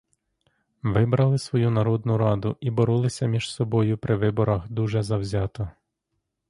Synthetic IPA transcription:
ʋɪbɾɐlˠɪsʋɔjunɐɾɔd̪nʊɾɑd̪ʊʔibɔɾɔlˠɪsʲɐmʲiʒsɔbɔjʊpɾɪʋɪbɔɾɐxd̪uʒɛzɐwzʲɑt̪ɔ

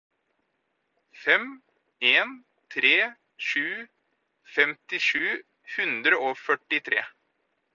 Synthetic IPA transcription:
fɛm | eːn | t̪ʰɾeː | ʂʉː | fɛmt̪ɪʂʉː | hʉnd̪ɾəoːfœʈɪt̪ʰɾḛː

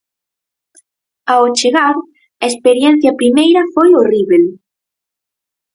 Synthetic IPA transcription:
aot͡ʃeɣaɾ | ɐespeɾjɛn̟θjɐpɾimejɾɐfojoriβel

